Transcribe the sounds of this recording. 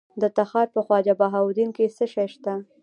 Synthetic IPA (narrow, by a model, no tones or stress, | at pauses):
d̪ət̪axɑɾpəxwɑd͡ʒabaɦawd̪inkesəʃajʃt̪a